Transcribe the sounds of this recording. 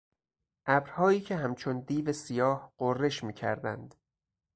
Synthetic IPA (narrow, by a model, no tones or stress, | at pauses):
ʔæbɾhɒːiːcʰe̞ɦæmt͡ʃʰond̪iːvesijɒːhɢ̥orːe̞ʃmiːcʰæ̰ɾd̪æ̰nd̪